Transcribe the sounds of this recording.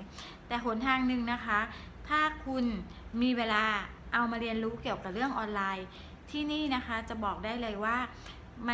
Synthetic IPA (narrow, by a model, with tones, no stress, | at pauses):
t̪ɛː˨˩pʰo˨˩˦nt̪ʰaː˧ŋnɯ˨˧ŋna˦˥kʰa˦˥ | t̪ʰaː˥˩kʰu˧n | miː˧weː˧laː˧ | ʔa˧wmaː˧ɾi˧ənɾuː˦˥ki˨˩əwka˨˩p̚ɾɯ˥˩əŋʔɔː˧nlaː˧j | t̪ʰiː˥˩niː˥˩na˦˥xʰa˦˥t͡ɕa˨˩bɔː˨˩k̚daː˥˩jlɤː˧jwaː˥˩ | ma˧